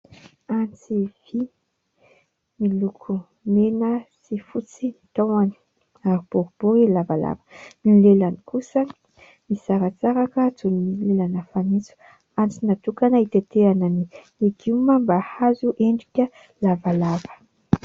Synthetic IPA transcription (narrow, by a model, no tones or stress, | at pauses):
ant͡siv̥i | milukʰu | menəsifut͡sinit̪awani̥ | aɾib̥oɾub̥oilavala̰və̥milelanikusə | misaɾat͡saɾakət͡sunilelanəfanit͡su̥ | ant͡sinat̪ukanait̪et̪eanani | eɡiumambahazuʔeɳɖ͡ʐikʲə | lavalavə̥